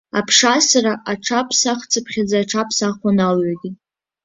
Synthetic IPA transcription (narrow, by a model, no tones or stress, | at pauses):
a̰pʰʂasaraʔaʈ͡ʂʰapʰsaχt͡sʰapʰχʲad͡zaːʈ͡ʂʰapʰsaχʷanalɥaɡʲɪ